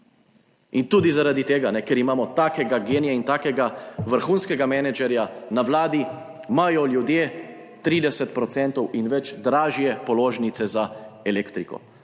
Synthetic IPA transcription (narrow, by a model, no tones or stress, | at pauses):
int̪uːd̪izaɾad̪it̪eːɡanɛkɛɾimaːmɔt̪aːkɛɡaɡeːnijɛint̪aːkɛɡaʋəɾxuːnskɛɡamɛnɛd͡ʒɛɾjanawlaːd̪i | majɔljud̪jeː | t̪ɾiːd̪ɛsɛt̪pɾɔt̪sɛnt̪ɔwinʋɛd͡ʒd̪ɾaːʒjɛpɔloːʒnit̪sɛzaɛleːkt̪ɾikɔ̰